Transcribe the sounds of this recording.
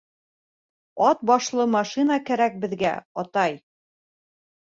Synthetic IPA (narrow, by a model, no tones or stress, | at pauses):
ɒt̪̚bɒʃlˠɤmɑʃinakæɾæk̚bɘ̆ðɡæ̰ɒt̪ɑj